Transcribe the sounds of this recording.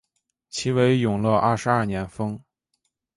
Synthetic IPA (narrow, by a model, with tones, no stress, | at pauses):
t͡ɕʰi˧˥we˧˥ɪjʊ˨˩ŋlə˧ʔɐ˥˩ʂɻ̩˧˥ɐ˥˩njɛ˧˥nfɤ˥ŋ